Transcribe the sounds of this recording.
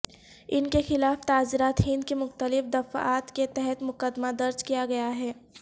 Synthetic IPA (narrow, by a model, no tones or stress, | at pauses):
ɪnkexɪlaːft̪aːzɪɾaːt̪ɦɪ̃nd̪kemʊxt̪əlɪfd̪ɐfa̰ːt̪ket̪ɛɦɛt̪mʊkəd̪mad̪ɐɾd͡ʒkijaɡɐjaɦɛː